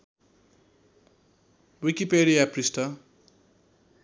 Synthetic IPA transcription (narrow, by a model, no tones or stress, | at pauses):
wikipeɾijaprisʈʌ